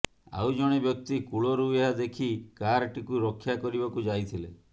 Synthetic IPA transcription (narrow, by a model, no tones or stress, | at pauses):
a̰wd͡ʒɔɽ̃ebjɔk̚t̪ikuɭoɾujad̪ekʰikaɾʈikuɾɔkʰːjakɔɾibakud͡ʒajt̪ʰile